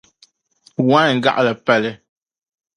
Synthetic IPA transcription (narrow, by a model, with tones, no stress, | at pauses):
wã˦˨ŋ̩˨ɡa̰˦ʔlɛ˨pɛ˦˨lɛ˦